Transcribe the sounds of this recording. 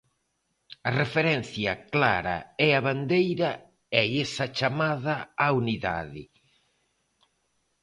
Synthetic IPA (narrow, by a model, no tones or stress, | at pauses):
ɐrefeɾɛnθjɐkla̰ɾɐ̰ɛaβand̪ejɾɐ | ɛesɐt͡ʃamaðɐauniða̰ðɪ